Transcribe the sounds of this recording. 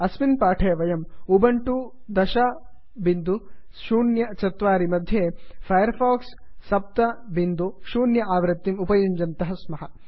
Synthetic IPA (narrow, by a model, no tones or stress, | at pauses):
ɐsminpaːʈʰeːʋɐjɐmubɐɳʈud̪ɐʃaː | bind̪u | ʃuːnjɐt͡ʃɐt̪ʋaːɾimɐd̪ʱjeːpʰɐjɐɾpʰaːksːɐp̚t̪ɐbind̪uʃuːnjɐʔaːʋɾɐt̪ːimupɐjuɲd͡ʒɐnt̪ɐɦɐsmɐɦɐ